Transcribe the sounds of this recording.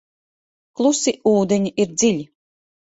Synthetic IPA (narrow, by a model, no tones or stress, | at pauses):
klˠusiʔuːd̪eɲʲiʔiɾd̪zilʲi